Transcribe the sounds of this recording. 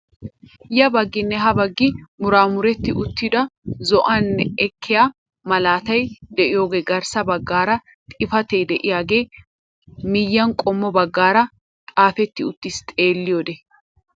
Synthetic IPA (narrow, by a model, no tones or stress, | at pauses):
jɐbɐɡːɪnːɛɦɐbɐɡːɪmʊɾaːmʊɾɛt̪ːɪʔʊt̪ːɪd̪ɐzɔʔɐnːɛɛkʰːɪja | mɐlaːt̪ɐjd̪ɛʔɪjo̞ːɡeːɡɐɾsɐbɐɡːaːɾɐ | t̪ʼɪfɐt̪ejd̪ɛʔɪjaːɡe̞ː | mɪjːɐŋkʼɔmːɔbɐɡːaːɾɐ | kʼaːfɛt̪ːɪʊt̪ːɪst̪ʼe̞ːlːɪjod̪ɛ